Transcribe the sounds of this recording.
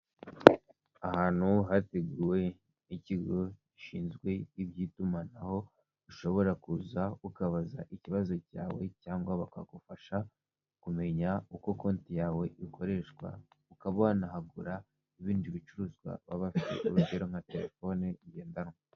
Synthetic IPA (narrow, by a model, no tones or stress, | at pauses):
ahaːn̥huɦateɡuwe̞ | iciɡo̞iʃiːnzɡwe̞jiβɟiːtumanaho̞ | uʃo̞βo̞ɾakuzaukaβaza̰ʔiciβazo̞ca̰ːwe̞caːŋɡwaβaka̰ɡufaʃa | kume̞ɲauko̞ko̞ːntijaːwe̞ʔikʰo̞ɾe̞ʃɡwa̰ | ukaβonahaɡuɾa | iβiːndiβit͡ʃuɾuːzɡwa̰βaβafitḛʔuɾuɟe̞ɾo̞ŋ̥ate̞ɾe̞̰fo̞nejeːndanŋo